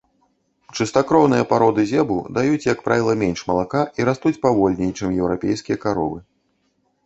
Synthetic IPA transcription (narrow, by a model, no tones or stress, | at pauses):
t͡ʂɨst̪akɾɔwnɨjɐpaɾɔd̪ɨzʲɛbṵd̪ajut͡sʲjɐkpɾʔavʲilˠɐmʲɛnʲʂmɐlˠakaʔiɾast̪ut͡sʲpavɔlʲnʲɛjt͡ʂɛmjɛwɾapʲejskʲijɐkaɾɔ̰vɨ